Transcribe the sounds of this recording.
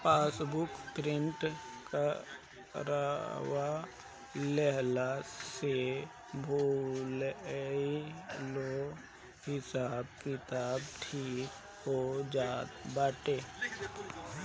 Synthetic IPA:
paːsbʊkpɾɪɳʈka | ɾawa | lɛɦlase | bʱolilo | hɪsaːbkɪt̪aːbt̪ʰiːk | hod͡ʒaːt̪baːʈeː

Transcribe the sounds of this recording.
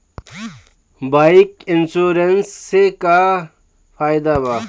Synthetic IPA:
bajikinsuːɾensːeka | pʰaːjd̪aba

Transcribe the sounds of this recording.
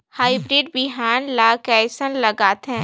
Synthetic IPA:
haːɪbɾiɖ̚bɪɦaːnlaːkɛːsənlɐɡaːt̪ɦɛ̃ː

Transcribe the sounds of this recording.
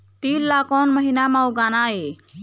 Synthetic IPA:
t̪iːllakɔnməɦinamawɡanae

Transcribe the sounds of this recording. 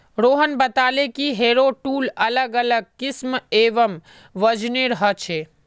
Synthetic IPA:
ɾoːɦənbət̪aːlekiɦeːɾoʈuːlɐləɡələɡ̚kɪsmeːʋəm | ʋəd͡ʒneɾɦət͡ʃʰeː

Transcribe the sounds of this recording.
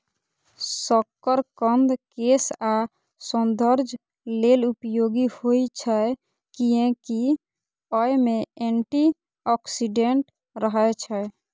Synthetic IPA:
səkːəɾkənd̪kesa | sə̃nd̪əɾd͡ʒʱ | lelupjoɡihoit͡ʃʰɛ | kiẽki | ɔjmẽeɳʈi | ɔksiɖeɳʈ | ɾəɦət͡ʃʰɛ

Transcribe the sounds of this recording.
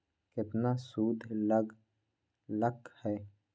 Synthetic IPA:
kɪt̪nasuːd̪ʱləɡ | ləkhɛː

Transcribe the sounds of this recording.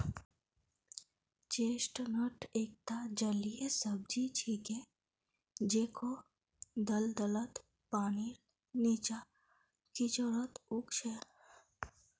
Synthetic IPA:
t͡ʃeːsʈnəʈʰeːk̚t̪ad͡ʒəliesəb̚d͡ʒit͡ʃʰikẽ | d͡ʒeːkʰo | d̪əld̪ələt̪ | paːniɾ | niːt͡ʃa | kit͡ʃəɾət̪ukt͡ʃʰe

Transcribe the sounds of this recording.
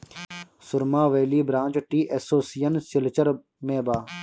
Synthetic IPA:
sʊɾmãːʋeːliːbɾãːnt͡ʃʈiːʔesoːsijɐnsilt͡ʃɐɾ | mẽːbaː

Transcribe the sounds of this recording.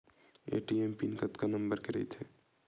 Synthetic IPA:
ḛʈiempinɪkət̪kanəmbəɾkeɾɛ̰jt̪ɦɛ

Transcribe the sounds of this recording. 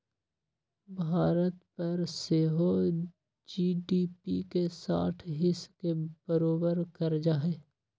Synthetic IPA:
bʱaːɾət̪pɐɾseːɦo | d͡ʒiːɖiːpḭkesa̰ːʈʰɦɪskeb̥əɾoːbəɾkɐɾd͡ʒaːɦeː

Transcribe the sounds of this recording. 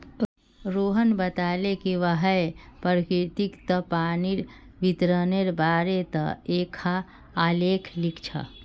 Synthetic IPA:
ɾoɦənbət̪aːlekiʋəɦəepəɾkɾɪt̪ikt̪əpaːniɾ | ʋit̪ɾəneɾbaːɾet̪ə̰eːkʰaː | leːkʰlikʰt͡ʃʰa̰

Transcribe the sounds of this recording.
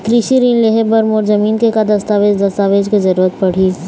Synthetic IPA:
kɾiʃiɾiːnleɦebɐɾmoːɾzɐmiːnkekad̪ɐst̪aːʋeːd͡ʒd̪ɐst̪aːʋeːd͡ʒkezɐɾuːɾət̪pɐɽ̤iː

